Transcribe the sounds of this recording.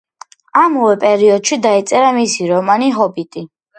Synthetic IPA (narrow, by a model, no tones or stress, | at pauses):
amɔwɛpʼɛɾiɔd̪ʃid̪ait̪sʼɛɾamisiɾɔmaniɦɔbit̪ʼi